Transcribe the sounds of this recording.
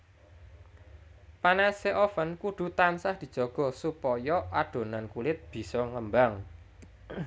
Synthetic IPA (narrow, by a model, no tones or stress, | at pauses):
panaseʔofənkuɖ̪̥ṳt̪ansahd̪̥i̤d̥ʒ̥ɔ̤ɡ̥ɔ̤supɔjɔʔaɖ̪̥o̤nankulɪt̪̚b̥i̤sɔŋəmbaŋ